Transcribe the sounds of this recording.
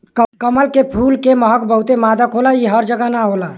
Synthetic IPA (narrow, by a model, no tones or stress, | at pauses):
kəməlkepʰulkeməɦəkbəɦut̪emad̪akɦolaiɦəɾd͡ʒəɡanaɦola